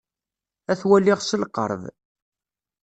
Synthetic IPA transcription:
æθwælːiʁsəlqə̰ɾˤv

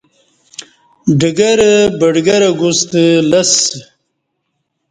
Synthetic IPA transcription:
ɖəɡɐɾbəɖɡɐɾaɡust̪lɐs

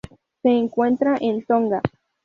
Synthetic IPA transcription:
seːŋkwent̪ɾaʔent̪oŋɡa

